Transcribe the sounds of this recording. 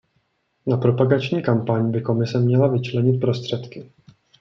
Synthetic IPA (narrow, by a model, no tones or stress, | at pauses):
napɾo̞paɡat͡ʃɲiːkampaɲbɪko̞mɪsɛmɲɛlavɪt͡ʃlɛɲɪt̪̚pɾo̞st̪r̝̥ɛt̪kɪ